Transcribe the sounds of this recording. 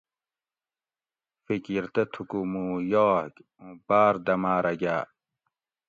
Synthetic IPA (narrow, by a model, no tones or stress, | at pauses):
fikiɾt̪ɐt̪ʰukumuːjoːk | ũbaːɾd̪ɐmaːɾɐɡaː